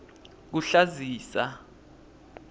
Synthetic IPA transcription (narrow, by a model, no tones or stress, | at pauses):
k̬uɬaziːsa